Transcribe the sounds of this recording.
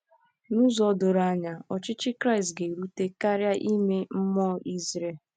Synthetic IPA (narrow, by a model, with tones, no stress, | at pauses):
nu˦zɔ˦dʊ˨ɾa˦ɲa˨ɔ˨t͡ʃɪ˦t͡ʃɪ˦kɾa˦ɪ˨stɡe˨ɾu˦te˦ka˦ɾja˦ʔi˦me˦m̩˦mɔ˦i˦zɾe˨